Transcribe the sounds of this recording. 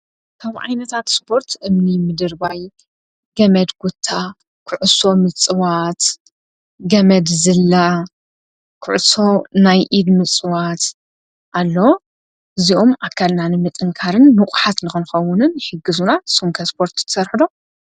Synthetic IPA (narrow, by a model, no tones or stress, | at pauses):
kʰaβʕa̰jnɐt̪ʰat̪spʰo̞ɾt̪ʰʔɨmnimɨd̪ɨɾbaj | ɡ̥ɐmɐd̪ɡ̥ut̪ʰːa | kʰɨʕʊso̞mɨt͡sʼɨwat̪ | ɡɐmɐd̪zɨlːa | kʰɨʕɨso̞najʔid̪mɨt͡sʼɨwat̪ | ʔalːo | ɨziʔo̞mʔakʰːalnanɨmɨt̪ʼɨŋkʰaɾɨnmɨkʷʼħat̪nɨxɨnxɐwʊnɨnħɨɡːɨzunasumkʰɐspʰo̞ɾt̪t̪ʰɐ̥sɐɾħɨd̪o̞